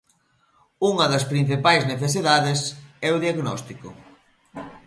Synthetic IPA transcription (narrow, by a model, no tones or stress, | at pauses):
uŋɐðɐspɾĩn̟θipajzneθesiðaðesɛuðiaɣnɔst̪iko̰